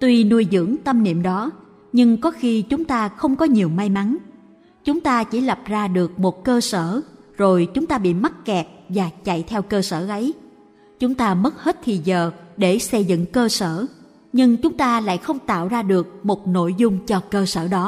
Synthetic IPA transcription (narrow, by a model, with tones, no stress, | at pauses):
t̪wi˧nu˧əjzɨ̰˧˥əŋt̪ə˧mnḭ˧˨əmɗɔ˨˦ | ɲɨ˧ŋkɔ˨˦xi˧t͡ɕʊ˨˦ŋ͡mt̪aː˧xə˧wŋ͡mkɔ˨˦ɲi˨˩əwma˧jma˨˦n | t͡ɕʊ˨˦ŋ͡mt̪aː˧t͡ɕi˧˩lə˨˩p̚zaː˧ɗɨ˨˩ək̚mo˨˩t̚kəː˧səː˧˩zo˨˩jt͡ɕʊ˨˦ŋ͡mt̪aː˧ɓḭ˧˨ma˦˥t̚kɛ˨˩p̚vaː˨˩t͡ɕa̰˧˨jt̪ʰɛ˧wkəː˧səː˧˩ʔə˨˦j | t͡ɕʊ˨˦ŋ͡mt̪aː˧mə˦˥t̚he˦˥t̚t̪ʰi˨˩zəː˨˩ɗe˧˩sə˧jzɨ̰˧˨ŋkəː˧səː˧˩ | ɲɨ˧ŋt͡ɕʊ˨˦ŋ͡mt̪aː˧la̰ː˧˨jxə˧wŋ͡mt̪a̰ː˧˨wzaː˧ɗɨ˨˩ək̚mo˨˩t̚no̰˧˨jzʊ˧ŋ͡mt͡ɕɔ˧kəː˧səː˧˩ɗɔ˨˦